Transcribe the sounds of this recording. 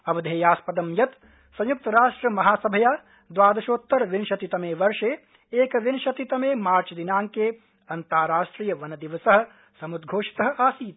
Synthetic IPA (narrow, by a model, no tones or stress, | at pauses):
ɐʋɐd̪ʱeːjaːspɐd̪ɐmjɐt̪ | sɐ̃juk̚t̪ɐɾaːʂʈɾɐmɐɦaːsɐbʱɐjaː | d̪ʋaːd̪ɐʃoːt̪ːɐɾʋinʃɐt̪it̪ɐmeːʋɐɾʃeː | eːkʋinʃɐt̪it̪ɐmeːmaːɾt͡ʃɐd̪inaːŋkeː | ɐnt̪aːɾaːʃʈɾiːjɐʋɐnɐd̪iʋɐsɐɦɐ̆ | sɐmud̪ɡʱoːʃi̥t̪ɐɦɐ̆aːsiːt̪̚